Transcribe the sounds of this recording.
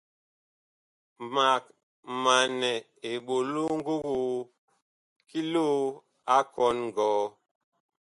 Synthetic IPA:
ma˨k̚ | ma˨nɛ˨ | e˨ɓo˨lo˦ŋ̩˦ɡo˦ɣo˦˨ | ki˦lo˦ | a˦kɔ˨˦nŋ˨ɡɔː˨˦

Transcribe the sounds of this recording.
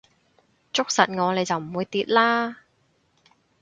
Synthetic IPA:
t͡sʊ˥k̚sɐ˨t̚ŋɔː˨˧le˨˧jt͡sɐ˨wm̩˨˩wuː˨˧jt̪iː˨˧t̚laː˥

